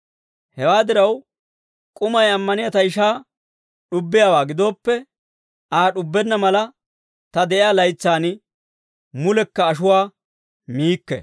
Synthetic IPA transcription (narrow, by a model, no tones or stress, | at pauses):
hɛwaːd̪ɪɾɐw | kʼʊmɐjɐmːɐnɪjɐt̪ɐjɪʃaː | ɗʊbːɪjaːwaːɡɪd̪o̞ːpːɛ | ʔaːɗʊbːɛnːɐmɐlɐ | t̪ɐd̪ɛʔɪjaːlɐjt͡sːaːn | mʊlɛkːɐːʃ̬ʊwaː | miːkːɛ̰